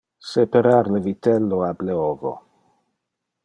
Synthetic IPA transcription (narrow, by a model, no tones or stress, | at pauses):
sepeɾaɾləvit̪ɛlːoableovo̰